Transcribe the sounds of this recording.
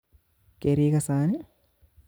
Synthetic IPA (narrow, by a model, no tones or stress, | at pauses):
keɾiːkɐsaːni